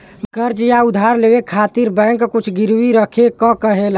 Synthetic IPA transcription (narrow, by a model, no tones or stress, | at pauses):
ɡəɾd͡ʒjaʊd̪ʱaɾleːwekʰaːt̪iɾbɛ̃ːŋkːʊt͡ʃʰɡɪɾwiɾəkʰekɔkəɦel